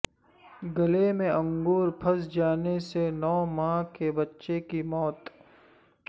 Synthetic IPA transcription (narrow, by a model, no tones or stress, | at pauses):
ɡɐlemẽɐ̃ŋɡuːɾpʰɐsd͡ʒaːnesenɔːmãːkebɐtːʃekimɔːt̪